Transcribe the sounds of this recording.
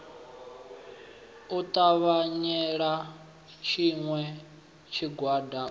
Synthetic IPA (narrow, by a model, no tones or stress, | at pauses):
ut̪ʼaβaɲɛɺa | t͡ʃʰiŋwɛ | t͡ʃʰiɡwada